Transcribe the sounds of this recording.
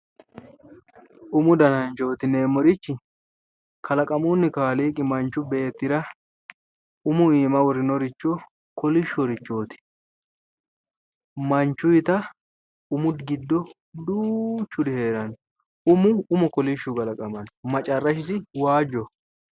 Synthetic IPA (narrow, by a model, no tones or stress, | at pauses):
ʔʊmʊd̪ɐnɐnt͡ʃo̞ːt̪ɪneːmːɔɾɪt͡ʃːɪ | kʰɐlɐkʼɐmuːnːɪkaːliːkʼːɪmɐnt͡ʃːʊbe̞ːt̪ːɪɾɐ | ʊmʊiːmɐwɔɾɪnɔɾɪt͡ʃːɔ | kɔlɪʃːɔɾɪt͡ʃːoːt̪ɪ̥ | mɐnt͡ʃːʊjɪt̪ɐ | ʊmʊd̪ɡɪd̪ːɔ | d̪uːt͡ʃːʊd̪ɪhe̞ːɾɐn | ʊmʊʊmɔkɔlɪʃːʊkʼɐlɐkʼɐmɐnmɐt͡ʃʼɐrːɐʃɪsɪwaːd͡ʒːɔ